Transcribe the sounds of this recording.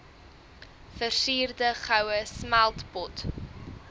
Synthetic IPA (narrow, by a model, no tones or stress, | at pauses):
fərsiːrdəχawəsmalˠtbɔt